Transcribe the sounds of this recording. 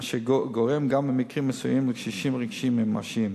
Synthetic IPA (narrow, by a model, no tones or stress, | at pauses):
ʃeɡoʁemɡambemikʁimːesujimʁiʃiʃimʁiɡʃimimːa̰ʃim